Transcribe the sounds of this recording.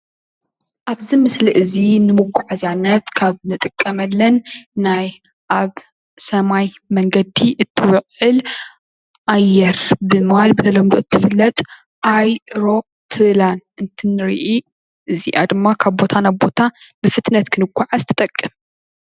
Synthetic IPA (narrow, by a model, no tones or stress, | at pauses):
ʔaβzimɨsliʔɨzinɨmuɡʷːuʕazanːɐt̪kʰaβnɨt̪ʼɨkʼːɐmɐlːɐnːaj | ʔaβ | sɐmaj | mɐŋɡɐd̪iʔɨt̪ʰːɨwʊʔʼʕɨl | ʔajːɛɾbɨmhalbɨt̪ʰɐlɐmd̪oɨt̪ʰːɨfɨlːɐt̪ʼ | ʔajɾo̞ | pʰɨlanɨnt̪ʰɨnːɨɾiʔi | ʔɨziʔa̰d̪ɨmːakʰaβbo̞t̪ʰanabo̞t̪ʰabɨfɨt̪nɐt̪kʰɨnɨɡʷːaʕazɨt̪ʰɐ̥t̪ʼɐkʼːɨm